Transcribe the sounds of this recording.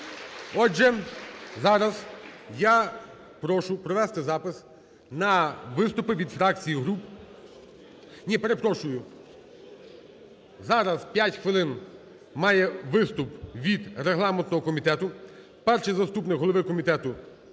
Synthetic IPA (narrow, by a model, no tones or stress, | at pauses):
ɔʒɛzɑɾɐzja | pɾɔʃʊpɾɔʋɛst̪ɪzɑpɪs | nɐʋɪst̪ʊpɪʋʲid̪fɾɑk̚t͡sʲijiɦɾup | nʲipeɾe̞pɾɔʃʊjʊ | zɑɾɐzpʲjatʲxʋɪlˠɪn | mɑjɛʋɪst̪ʊpʋʲid̪ɾeɦlˠɑmɛnt̪nɔɦɔkɔmʲit̪ɛt̪ʊ | pɛrʃijzɐst̪upnɪkɦɔlˠɔʋɪkɔmʲit̪ɛt̪ʊ